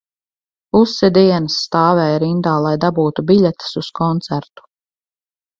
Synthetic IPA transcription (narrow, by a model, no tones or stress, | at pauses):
usːed̪iɛnsːt̪aːvɛːjɾind̪aːlˠajd̪abuːt̪ubiʎʲɛt̪ḁsuskʰɔnt̪sæɾt̪u̥